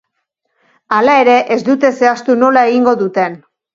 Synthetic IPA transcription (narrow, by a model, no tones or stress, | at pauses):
alae̞ɾe̞ʔezd̪ut̪e̞se̞ast̪uno̞lae̞ɣiŋɡo̞ðut̪e̞n